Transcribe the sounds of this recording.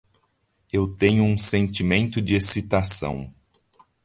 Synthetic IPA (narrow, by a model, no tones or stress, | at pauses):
ewt̪ẽɲʊũsẽnt͡ʃimẽnt̪ʊd͡ʒɪesit̪asɐ̰̃w̃